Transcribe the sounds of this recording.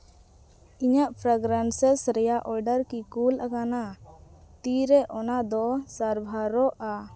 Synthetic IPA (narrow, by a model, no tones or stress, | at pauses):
iɲaʔpʰɾaɡɾansɛsɾɛjaʔɔɾɖəɾkikulʔakana | t̪iɾɛʔɔnad̪ɔsaɾbʱaɾɔʔa